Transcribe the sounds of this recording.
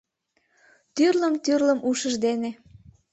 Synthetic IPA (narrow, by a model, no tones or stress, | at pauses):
t̪yrləmt̪yrləmʔuʃəʒd̪ene